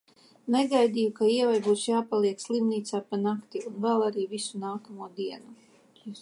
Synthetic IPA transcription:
nɛɡajd̪iːjukaiɛvajbuːsjaːpalˠiɛkslˠimniːt̪saːpanakt̪iunvɛlˠaɾiːvisunaːkamuɔd̪iɛnu

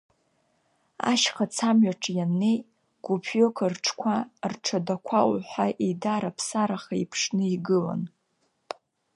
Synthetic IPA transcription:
a̰ʃχat͡sʰamɥaʈ͡ʂʰʼjanej | ɡ̥ʷupʰjokʰarʈ͡ʂʰkʷʰarʈ͡ʂʰadakʷʰawħʷaʔedaɾapʰsaɾaχaḭpʰʂnɨiɡɨla̰n

